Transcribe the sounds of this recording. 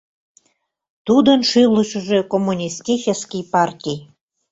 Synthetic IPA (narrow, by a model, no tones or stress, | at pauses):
t̪ud̪ənʃɨləʃəʒekomːunʲist̪ʲit͡ɕəskʲijpɑrt̪ʲij